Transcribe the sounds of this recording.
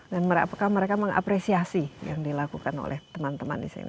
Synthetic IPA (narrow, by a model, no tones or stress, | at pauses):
danməɾpakahməɾekaməŋʔa̰pɾesiasijaŋdilakukano̰lʔɛ̰ht̪əmant̪əma̰ndisḭni